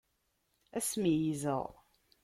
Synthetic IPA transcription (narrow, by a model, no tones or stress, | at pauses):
æsmijizə̰ʁ